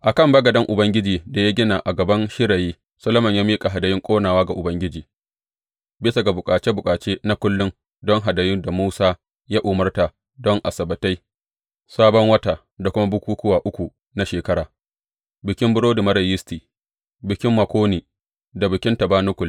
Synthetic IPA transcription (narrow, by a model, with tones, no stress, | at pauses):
ʔa˨kɐ˦˨mbɐ˦ɡɐ˨dɐ˦ŋʔʊ˨bɐ˦ŋɡʲɪ˦d͡ʒiː˨da˨ja˦ɡʲɪ˦na˨ʔa˨ɡɐ˨bɐ˦nʃɪ˦ɽɐ˨jiː˦ | sɐ˦lɐ˦mɐ˨ɲjaː˦miː˦kʼa˨ɦa˨dɐ˨jɪ˦ŋkʷʼoː˦naː˨waː˦ɡa˨ʔʊ˨bɐ˦ŋɡʲɪ˦d͡ʒiː˨ | bɪ˦sa˨ɡa˨bʊ˨kʼaː˨t͡ʃe˦bʊ˨kʼaː˨t͡ʃeː˦na˦kʷʊ˦lːʊ˦ŋ | dɔ˦ŋɦa˨dɐ˨jɪ˦nda˨muː˦saː˦ | jaː˦ʔʊ˨mɐ˦rta˨ | dɔ˦ŋʔa˨sɐ˨bɐ˨ta˦j | saː˦bɔ˦ŋwɐ˦ta˨ | da˨kʷʊ˦ma˦bʊ˦kʷuː˦kʊ˦waː˨ʔʊ˦kʷu˨ | na˦ʃeː˨kɐ˦ɽaː˨ | bɪ˨kʲɪ˦mbʊ˦ɽoː˦dʊ˨mɐ˦ɽɐ˨jɪ˦stiː˨ | bɪ˨kʲɪ˦mːɐ˨kʷoː˦niː˨ | da˨bɪ˨kʲɪ˦ntɐ˨baː˦nʊ˦kʷʊ˨l